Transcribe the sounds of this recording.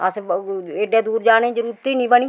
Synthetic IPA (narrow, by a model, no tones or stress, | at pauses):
əseːɖeːd̪uːɾd͡ʒaːnẽːd͡ʒəɾuːɾt̪iːnĩːbəɳiː